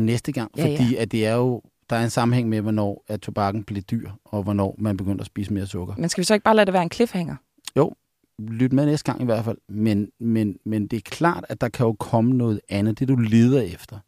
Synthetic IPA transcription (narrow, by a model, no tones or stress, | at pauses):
nesd̥əɡ̥ɑ̈ŋ̰ffɒ̽d̥ḭːæd̥e̝æɐjo̝ | d̥ɑ̈æɐe̝nsɑ̈m̩heŋ̰meʋɒnɒ̰ːæt͡sʰo̝b̥ɑ̈ɡ̥n̩b̥le̝d̥yɐ̰ɒ̽ʋɒnɒ̰ːmænb̥e̝ɡ̥øn̰dɐsb̥ḭːsəme̝ːɐsɔ̽ɡ̥ɐmensɡ̥æʋisɒe̝ɡ̥̚b̥ɑ̈ːlæd̥eʋæːɐenkʰlefheŋ̰ɐ | jo̰ʊ | lyd̥əmeðˠnesd̥ɡ̥ɑ̈ŋ̰ʔiʋæɐ̰d̥fæl̰menmenmend̥e̝æɐkʰlɑ̰̈ːd̥æd̥ɑ̈kʰæjo̝kʰɒ̽mənɔ̽ːð̞̩ˠænð̩ˠd̥e̝ɐd̥ule̝ːð̞ˠɐefd̥ɐ